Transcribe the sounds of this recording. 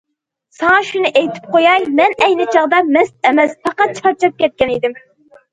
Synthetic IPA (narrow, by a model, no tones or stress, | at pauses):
sɑŋɑʃunɨʔejt̪ʰɪ̥p̚qojɑjmɛnɛjnɪt͡ʃʰɑʁd̪ɑmɛsɛmɛsfɑqɑt̪̚t͡ʃʰɑɾt͡ʃʰɑp̚kʲɛt̪̚kʲɛnid̪ɪm